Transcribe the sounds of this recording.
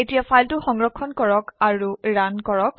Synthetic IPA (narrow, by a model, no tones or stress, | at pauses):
etijapʰajltʊxɔŋɹɔkʰːɔnkɔɹɔkaɹuɹankɔɹɔk̚